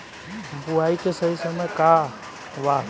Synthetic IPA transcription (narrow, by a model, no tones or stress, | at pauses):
buaikesəɦisəməjka | ʋa